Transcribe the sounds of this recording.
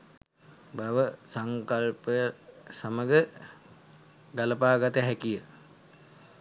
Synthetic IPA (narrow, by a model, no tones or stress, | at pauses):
baʋəsaŋkalpəjəsaməɡə | ɡaləpaːɡat̪əɦækijə